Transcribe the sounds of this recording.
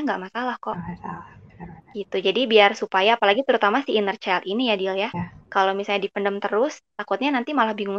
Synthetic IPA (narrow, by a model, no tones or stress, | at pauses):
ŋɡaʔmasalahkɔʔ | ɡ̥it̪ud͡ʒadibiarsupajaːpalaɡit̪əɾut̪amasiːnərt͡ʃɛlinijadiljakalomisalɲadipəndəmt̪əɾʊst̪akʊt̪̚ɲanant̪imalahbiŋʊŋ